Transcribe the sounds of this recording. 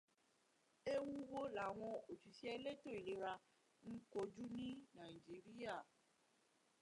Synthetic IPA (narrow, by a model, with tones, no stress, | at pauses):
e˦wu˦wo˦la˨w̃ɔ̃˧o˨t͡ʃi˨si˦ɛ˧le˦˨to˦˨i˨le˨˦ɾa˧ | ŋ̩˦ko˧d͡ʒu˦nĩ˦nã˨i˨d͡ʒi˨˦ɾi˦a˦˨